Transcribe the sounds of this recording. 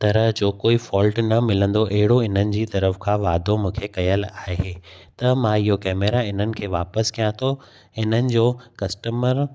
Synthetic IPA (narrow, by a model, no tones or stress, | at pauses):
t̪ɐɾəɦd͡ʑoːkoːifɔːlʈnɐmɪlə̃nd̪oʔɐɦɪɽoɪn̤ənɪ̆d͡ʑiːt̪ɐɾəfkʰãːʋaːd̪ʱomũːkʰekɐjəlaːɦeː | t̪ɐmãɪɦokɛːmeɾaɪn̤ənɪ̆kʰeːʋaːpəskʰijãt̪ʰo | ɪn̤ənɪ̆d͡ʑoːkɐsʈəməɾ